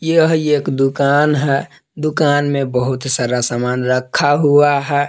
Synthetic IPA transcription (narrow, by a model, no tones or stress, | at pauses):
jəɦeːkd̪ʊkaːnɦɛ | d̪ʊkaːnmẽbəɦʊt̪saːɾasaːmaːnɾəkʰːaɦuaɦɛ